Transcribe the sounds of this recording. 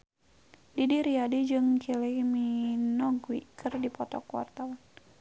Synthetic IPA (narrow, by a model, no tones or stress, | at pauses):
didiɾiadid͡ʒɨŋkiliminɔɡwḭkʰərdipɔt̪ɔ̰kwa̰rt̪awan